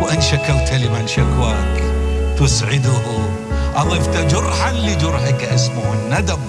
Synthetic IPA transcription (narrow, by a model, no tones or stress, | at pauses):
wʔanʃakawt̪alimaʕnʃakwaːkt̪ʊsʕɪd̪ʊh | ʔɑðˤiːft̪ad͡ʒʊɾˤħanlid͡ʒʊɾˤħɪkʔɪs̬mʊhɪnːad̪am